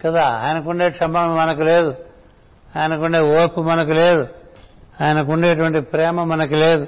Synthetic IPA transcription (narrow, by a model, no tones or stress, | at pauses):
kɐd̪aːa̰ːjɐnɐkuɳɖeːʈʂɐmɐːlmɐnɐkuleːd̪u | aːjɐnɐkuɳɖeːoːpumɐnɐkuleːd̪u | aːjɐnɐkuɳɖeːʈ̬uʋɐɳʈipɾɛːmɐmɐnɐkuleːd̪u